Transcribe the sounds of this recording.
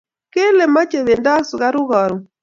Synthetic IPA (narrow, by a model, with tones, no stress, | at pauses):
ke˦le˨ma˦t͡ʃe˨βe˨nda˦sɡa˦ɾu˦ɣɔ˨ɾʊ˨